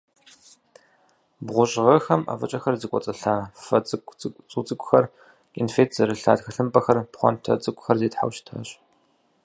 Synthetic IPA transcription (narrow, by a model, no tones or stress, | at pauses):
bʁʷʊɕʼʁɐxɐma̰ːvɐt͡ʃʼɐxɐrzɨkʷʼɔ̰t͡sʼɐɬaːfɐt͡sʼʷt͡sʼut͡sʼɨkʷʼxɐr | infeːtʰzɐɾɨɬaːdxɐɬɨmpʼɐxɐrpχʷɔ̰ntʰɐ̰t͡sʼɨkʷʼʊxɐrzeːtħa̰wɕtʰa̰ːɕʼ